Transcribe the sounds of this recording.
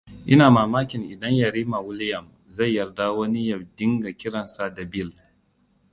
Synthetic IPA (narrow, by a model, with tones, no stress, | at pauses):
ʔɪ˦naː˨maː˨maː˦kʲɪ˨ŋʔɪ˨dɐ˦ɲjɐ˨ɾiː˦ma˨wʊ˦lɪ˦jɐ˨m | za˦˨jːɐ˨rda˦wɐ˦ni˦jɐ˨bdɪ˦ŋɡa˨kʲɪ˦ɽɐ˨nsa˦da˨bɪ˦˨l